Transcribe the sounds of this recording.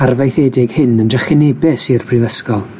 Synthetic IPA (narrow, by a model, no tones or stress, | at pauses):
arvejθɛdɪɡhɨnəndrəχɪnɛbɛsirpʰrɪvəskɔlˠ